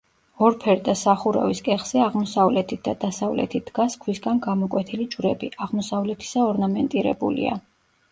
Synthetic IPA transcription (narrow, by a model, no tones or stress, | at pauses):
ɔɾpʰɛɾd̪asaχuɾa̰viskʼɛχz̥ɛaʁmɔsavlɛt̪ʰit̪̚d̪ad̪asavlɛ̰t̪ʰit̪̚d̪̥ɡaskʰwisɡanɡamɔkʼwɛt̪ʰilid͡ʒuɾɛbiʔaʁmɔsavlɛt̪ʰi̥saɔɾnamɛnt̪ʼiɾɛ̰bṵlḭa̰